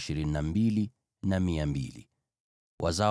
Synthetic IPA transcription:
ʃiɾin̩nːambili | namiambḭlḭ | wʔaza

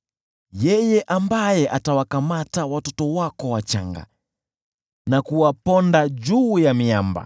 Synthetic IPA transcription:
jɛjɛʔambajɛʔatawakamatawatɔtɔwakɔwat͡ʃa̰ŋɡa̰ | nakuwapɔndad͡ʒuːjamiamba̰

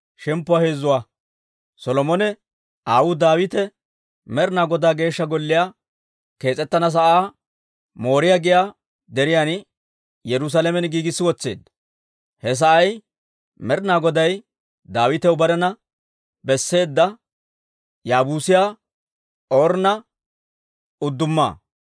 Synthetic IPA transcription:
ʃɛmpːʊwaːhe̞ːzːʊwaː | sɔlɔmɔnɛ | ʔaːwʊd̪aːwɪt̪ɛ | mɛɾnaːɡɔd̪aːɡe̞ːʃːɐɡɔlːɪjaː | ke̞ːt͡sʼɛt̪ːɐnɐs̬ɐʔaː | mo̞ːɾɪjaɡɪjaː | d̪ɛɾɪjan | jɛɾʊs̬alemɛnɡiːɡɪsːɪwɔt͡sːe̞̰ːd̪ːɐ | hɛs̬ɐʔɐj | mɛɾnaːɡɔd̪ɐj | d̪aːwɪt̪ɛwbɐɾɛnɐ | bɛsːe̞ːd̪ːɐ | jaːbuːsɪjaː | oːɾnɐ | ʊd̪ːʊmːa̰ː

